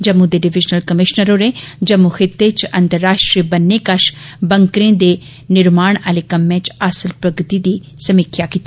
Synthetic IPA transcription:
d͡ʒɐmːũd̪eɖɪʋɪd͡ʒnəlkəmɪʃnəɾoɾed͡ʒɐmːuxɪt̪ːet͡ʃɐ̃nt̪əɾːaːʃʈɾiəbɐnːekɐʃbɐŋkɾẽd̪e | nɪɾmaːɽ̃əlekɐmːẽt͡ʃasəlpɾɐɡt̪id̪iː | sɐmɪkʰjakit̪i

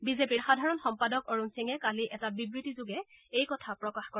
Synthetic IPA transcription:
bizepiɹxadʱaɹɔnxɔmpadɔkoɹunsiŋɛkaliʔɛtabibɹitizʊɡɛ | ejkɔtʰapɹɔkaxkɔ

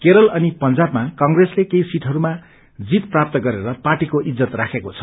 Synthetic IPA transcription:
keɾʌlʌnipʌnd͡zabmakʌŋɡreslekeisiʈɦʌɾuma | d͡zit̪prap̚t̪ʌɡʌɾeɾʌparʈikoʔid͡zʌt̪rakʰekot͡sʰʌ̥

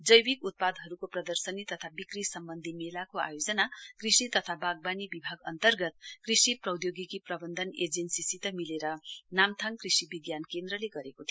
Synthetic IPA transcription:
d͡zʌjbikut̪̚pad̪ɦʌɾukoprʌd̪ʌrsʌnit̪ʌt̪ʰabikrisʌmbʌnd̪ʱimelakoa̰jod͡zʌnakrisit̪ʌt̪ʰabaɡ̚banibibʱaɡʌnt̪ʌrɡʌt̪̚krisiprʌwd̪joɡikiprʌbʌnd̪ʱʌned͡zensisit̪ʌmileɾʌnamt̪ʰaŋkrisibiɡjankend̪rʌleɡʌɾekot̪ʰi

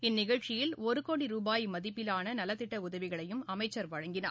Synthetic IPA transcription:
ɪnːɪɣɐɭt͡ʃɪjɪlɔɾɯkoːɽiɾuːbaːjmɐðɪpːɪlaːnɐnɐlɐt̪ːɪʈːɐʊðɐʋɪɣɐɭɐjɯmɐmɐɪt͡ʃːɐɾʋɐɻɐŋɡɪna̰ː

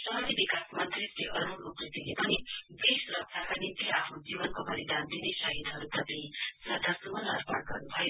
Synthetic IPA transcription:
sʌɦʌdibikasmʌnt̪riseʔʌɾuokrit̪ilepʌnibisuɾʌk̚sʰakanint̪iapʰnud͡zibʌnkobʌɾid̪ʱand̪inesʌɦid̪ɦʌɾut̪ʌpĩsʌd̪ʱːasumʌnʌ̰rpʌɽɡʌ̰rnubʱʌjo

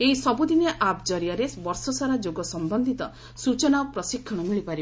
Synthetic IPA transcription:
eisɔbud̪ineʔapd͡ʒɔɾijaɾebɔɾsɔsaɾad͡ʒoɡɔsɔmbɔnd̪ʱit̪ɔ | sut͡ʃɔnapɾɔsikʰːɔɽ̃ɔmiɭipaɾi

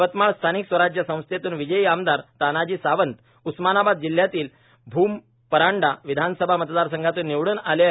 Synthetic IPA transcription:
ʋət̪maɭst̪ʰaniksʋəɾad͡ʑjəsə̃w̃st̪ʰjet̪uːnʋid͡ʑəjiamd̪aɾt̪anad͡ʑiːsaʋənt̪ | usmanabad̪̚d͡ʑil̤ːjat̪iːl | bʱuːm | pəɾaɳɖaʋid̪ʱansəbʱamət̪d̪aɾsəŋɡʱat̪uːnːiʋɽuːnale

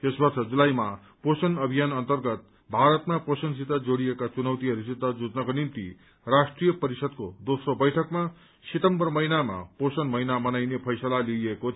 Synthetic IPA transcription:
t̪esbʌrt͡sʌd͡zulajma | posʌnʌbʱijanʌnt̪ʌrɡʌt̪̚ | bʱaɾʌt̪maposʌns̬it̪ːad͡zoɽijekat͡sunʌwt̪iɦʌɾusid̪ʱad͡zud͡znʌkonimt̪ḭ | rasʈrijʌpʌɾisʌd̪̚kod̪osrobʌjʈʰʌkma | sit̪ʌmbʌrmʌjnama̰posʌnmʌjnamʌnajnepʰʌjsʌlalieko

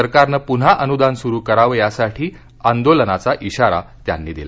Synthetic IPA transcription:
əɾkaɾnəpun̤aʔənud̪ansuɾuːkəɾaʋjasaʈʰiː | and̪olənat͡saʔiɕaɾa̰t̪ja̰nːiːd̪ila

